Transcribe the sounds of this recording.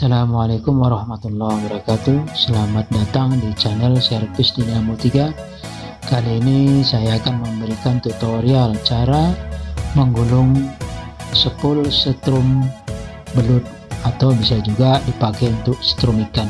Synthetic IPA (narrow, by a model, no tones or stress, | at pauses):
salamwalekʊmwaɾɑhmat̪ulːahwabaɾakat̪usəlamat̪̚dat̪aŋdit͡ʃanɛlsɛrpɪsdiniamut̪iɡa | kaliːnisajaːkanməməɾikant̪ut̪oɾialt͡ʃaɾa | məŋɡulʊŋ | səpʊlsət̪ɾʊm | bəlʊt̪̚at̪awbisad͡ʒuɡadipakɛunt̪ʊʔsə̥t̪ɾumikan